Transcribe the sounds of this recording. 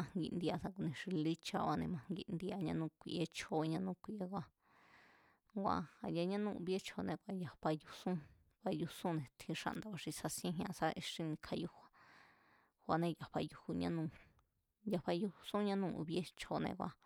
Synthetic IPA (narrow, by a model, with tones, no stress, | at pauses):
ã˧ŋɡḭ˧ʔnd̪i˧a˧sa˧k̬u˧˨nẽ˧ʂi˧li˦t͡ʃa˧wa˧nẽ˧mã˧ŋɡi˧nd̪i˧a˧ɲã˧nũ˧kʷi˧ʔe˧t͡ʃʰo˧ɲã˧nũ˦kʷi˧ʔe˧kʷa˧ | kʷa̰˧ha˨ja˧ɲã˦nũ˦˧ṵ˧βe˦t͡ʃʰo˧nẽ˧kʷa˧ja˨ɸa˧ju˧sũ˦ | βa˧ju˧sũ˦nẽ˨t̪ʰĩ˧ʂa̰˧ʔnd̪a˧βa˧ʂi˧sa˧sĩ˦ẽ˦ɦɲã˧sa˦ʔe˧ʂĩ˧nĩ˧kʰa˧ju˦hʷa˧ | hʷa˧nẽ˧ja˨ɸa˧ju˧hu˧ɲã˦nũ˧ | ja˧ɸa˧ju˧sũ˦ɲã˦nũ˦˧ʔṵ˧βje˦t͡ʃʰo˧nḛ̃˧kʷa̰˧